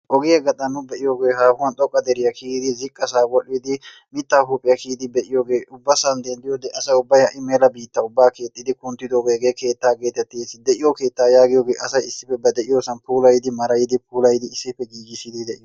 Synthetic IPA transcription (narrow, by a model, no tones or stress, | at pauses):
ʔɔɡɪjɐɡɐt̪ʼɐnːʊbɛʔɪjoɡeːhaːfʊwɐnt̪ʼɔkʼːɐd̪ɛɾɪjɐkiːd̪ɪzɪkʼːɐsaːɡɔʔːid̪ɪ | mɪt̪ːaːhuːpʼːɪjɐkiːd̪ɪbɛʔɪjoːɡeːʔʊbːɐsɐnd̪ɛnd̪ɪjoːd̪ɛʔɐsɐʊbːɐjhɐʔɪmeːlɐbiːt̪ːɐʊbːaːke̞ːt̪ʼːɪd̪ɪkʊnt̪ːɪd̪oɡeɡeːke̞ːt̪ːaːɡeːt̪ːɛt̪ːɪesɪd̪ɛʔɪjoke̞ːt̪ːaːjaːɡɪjoːɡeːʔɐsɐjɪsːɪpːɛbɐd̪ɛʔɪjoːsɐnpuːlɐjɪd̪ɪmɐɾɐjɪd̪ɪpʰuːlɐjɪd̪ɪɪsːɪpːɛɡiːɡɪsɪd̪ɪd̪ɛʔɪj